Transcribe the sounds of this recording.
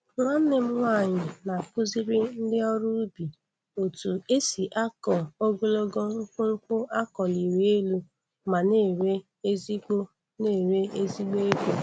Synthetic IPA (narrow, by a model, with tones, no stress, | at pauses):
ɾa˦n̩˦nɪ˦m̩˦ŋʷa˦˨ɲɪ˨na˨kʊ˦zɪ˦ɾɪ˦n̩˦dɪ˦ɔ˦ɾu˦bi˨ | o˨tu˨e˦si˨ʔa˦kɔ˨o˦ɡo˦lo˦ɡo˦k͡pʊ˦ɾʊ˦kʊ˦ʔa˦kɔ˨li˨ɾe˨e˦lu˦ | ma˨ne˦˨ɾe˦ | e˦zi˦ɡo˦ | ne˦˨ɾe˦e˦zi˦ɡ͡bo˦e˦ɡo˦